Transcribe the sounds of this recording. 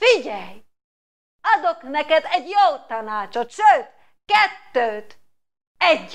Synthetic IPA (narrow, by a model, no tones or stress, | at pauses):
fiɟɛj | ɒd̪oknɛkɛd̪ɛɟjoːt̪ɒnaːt͡ʃot̪ʃøːt̪ | kɛt̪ːøːt̪ | ɛɟ